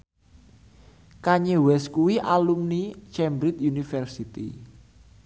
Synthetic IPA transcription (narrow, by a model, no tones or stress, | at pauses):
kaɲewɛskuwiʔalumnit͡ʃɛmbɾit̪junifɛrsit̪ḭ